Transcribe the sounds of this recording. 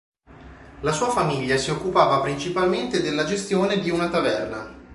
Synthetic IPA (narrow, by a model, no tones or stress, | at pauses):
lasuːafamiʎːasiokːupaːvapɾint͡ʃipalment̪ed̪elːad͡ʒest̪joːned̪iunat̪avɛrna